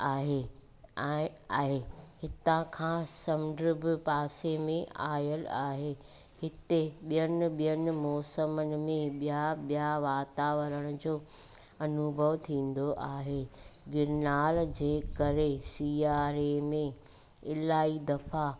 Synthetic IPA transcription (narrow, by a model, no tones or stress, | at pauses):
aːɦe | aːɦehɪt̪ãkʰãːsɐmd̪ɾɪbʱɪpaːsemẽʔaːjəlaːɦe | hɪt̪eɓijənɪ̆ɓijənɪ̆mɔːsəmənɪ̆mẽɓijaɓijaʋaːt̪aːʋəɾəɽ̃ʊ̆d͡ʑoː | ɐnʊbʱəʋt̪ʰĩːn̆d̪oʔaːɦeːɡɪɾnaːld͡ʑeːkɐɾesiːaːɾemẽ | ɪlaːid̪ɐfa